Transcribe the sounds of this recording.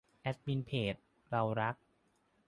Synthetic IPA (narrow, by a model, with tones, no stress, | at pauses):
ʔɛ˦˥t̪̚mi˧npʰeː˨˩t̪̚ | ɾa˧wɾa˦˥k̚